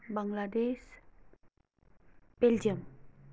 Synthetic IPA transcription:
baŋladɛs | b̥ɛld͡ʒəŋ

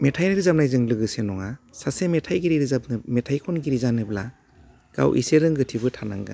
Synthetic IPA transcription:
metʰajnɯɾizap̚najzɯŋlɯɡɯsenɔŋasasemetʰajɡiɾiɾizab̚nɯmetʰajkʰɔnɡiɾizanɯbla̰ | ɡ̥a̰wʔḭseɾɯŋɡɯtʰibɯtʰanaŋɡa̰

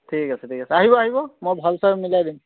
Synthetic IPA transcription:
tʰikasɛtʰikasɛaɦibɔaɦibɔmojbʱalsaɹmilajdim

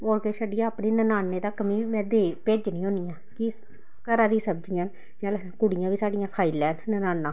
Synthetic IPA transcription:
oːɾkeːʃəɖɪjãːəpniːnənaːnːeːd̪aːkəmĩːʋɛːd̪eːpeːd͡ʒnĩːɦõːnijãːkɪ | kəɾãːd̪iːsəb̚d͡ʒijãː | d͡ʒãːl | kʊɽɪjãːʋiːsaːɖɪjãːkʰaːiːlɛːnnənaːnːãː

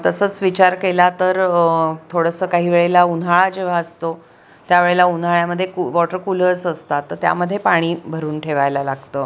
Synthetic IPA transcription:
t̪əsəːt͡sʋit͡ɕaɾkelat̪əɾt̪ʰoɽəsəːkaɦiːʋeɭelaunaɭad͡ʑeʋ̤aəst̪o | t̪jaʋeɭelaun̤aɭjaməd̪ʱːjekuʋɔʈəɾkuləsəst̪at̪ːəɾt̪ja̰məd̪ʱːjepaɽ̃iːbʱəɾuːnʈʰeʋajlalaɡt̪əː

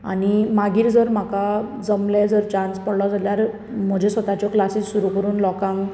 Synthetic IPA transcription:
a̰nimaɡiːɾd͡zəɾm̤akad͡zəmled͡zəɾt͡ɕãnspəɽlɔd͡zʱaljaɾ | m̤əd͡ʑʱesʋət̪at͡ɕɔklasiːssuɾukəɾuːnlɔkãŋk

